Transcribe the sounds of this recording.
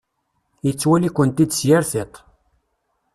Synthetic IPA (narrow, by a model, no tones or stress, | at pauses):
jət͡sːwælikʷːənt̪id̪sjaɾθet̪ˤ